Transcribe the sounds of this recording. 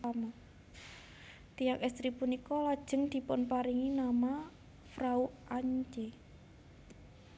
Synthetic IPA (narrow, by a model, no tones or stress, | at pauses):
ama | t̪ijakɛst̪ɾipunikɔlad̥ʒ̥ə̤ŋd̪̥i̤pʊnpaɾiŋinama | fɾauʔaɲt͡ʃe